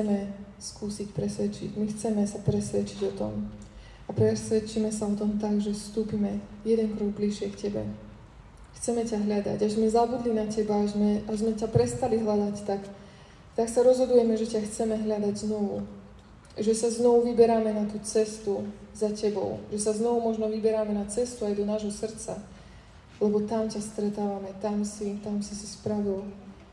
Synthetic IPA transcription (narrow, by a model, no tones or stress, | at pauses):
t͡sɛmɛ | skuːsicpɾɛsʋɛt͡ʃḭɟmixt͡sɛmɛsapɾɛsʋɛt͡ʃiɟɔt̪ɔ̰m | apɾɛsʋɛt͡ʃimɛsaɔt̪ɔmt̪aɡʒɛfst̪uːpimɛjɛd̪ɛŋkɾɔɡ̚bliʃɪɛkcɛbɛ̰ | xt͡sɛmɛcaɦʎad̪a̰ɟaɡzmɛzabud̪linacɛbaazmɛazmɛcapɾɛst̪aliɦlad̪act̪ak | t̪aksaɾɔzɦɔd̪ujɛmɛʒɛcaxt͡sɛmɛɦʎad̪aɟznɔʋṵ | ʒɛsaznɔʋuʋibɛɾamɛnat̪uːt͡sɛst̪uzacɛbɔ̰ʊʒɛsaznɔʋumɔʒnɔʋibɛɾamɛnat͡sɛst̪uajd̪ɔnaːʒɦɔsr̩t͡sa̰ | lɛbɔt̪amcast̪ɾɛt̪aːʋamɛt̪amsit̪amsisi̥spɾaʋil